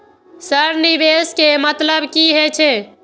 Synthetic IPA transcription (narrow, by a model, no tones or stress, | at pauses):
səɾnibeskemət̪ləbkiɦet͡ʃʰe